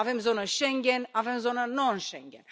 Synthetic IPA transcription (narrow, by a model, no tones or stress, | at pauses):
avɛmzonəʃɛŋɡʲɛnavɛmzonənonʃɛŋɡɛ̰n